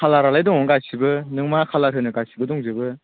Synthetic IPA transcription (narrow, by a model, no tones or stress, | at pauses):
kʰalaɾalajdɔŋɔɡasibɯnɯŋmakʰalaɾɯnɯɡasʰibɯdɔŋzɯbɯ